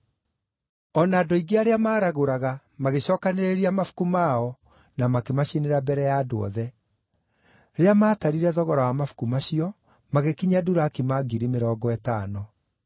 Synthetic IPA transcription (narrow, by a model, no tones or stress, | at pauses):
ɔnaːdoiɡeaɾeamaːɾaɣoɾaɣa | maɣeɕɔːkaneɾeɾiamafu̥kumaɔ | namakemaɕeneɾabɛɾɛjaːdoɔ̰ðɛ | ɾeamaːtaɾiɾɛðɔɣɔɾawamafu̥kumaɕiɔ | maɣekiɲaduɾaːkemaɡiɾimeɾɔːɡɔɛtaːnɔ